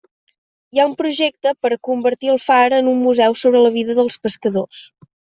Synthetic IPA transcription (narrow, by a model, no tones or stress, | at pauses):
iaumpɾuʒek̚t̪əpəɾkumbəɾt̪iəlˠfaɾənumːuzɛwsoβɾələβ̞iðəðəlˠspəskəðos